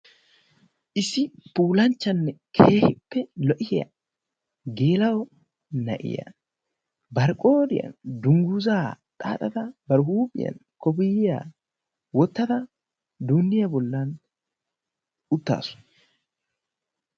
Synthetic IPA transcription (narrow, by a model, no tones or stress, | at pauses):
ʔɪsɪpuːlɐnt͡ʃːɐnːɛkʰeːhɪpːɛlɔʔɪhɪjɐ̰ | ɡe̞ːlɐwɔ | nɐ̰ʔɪ̰jɐ̰ | bɐɾkʼo̞ːd̪ɪjɐ̰nd̪ʊŋɡuːzaːt̪ʼa̰ːt̪ʼɐt̪ɐbɐɾhuːpʼɪjɐ̰n | kɔbijːa̰ː | wɔt̪ːɐt̪ɐ | d̪uːnːɪjɐbɔlːaːn | ʊt̪ːa̰ːsʊ̥